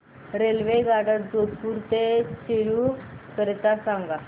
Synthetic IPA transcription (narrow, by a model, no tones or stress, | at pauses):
ɾelʋeɡaɽat̪d͡zod̪puɾt̪et͡ɕeɾukəɾet̪asaŋɡa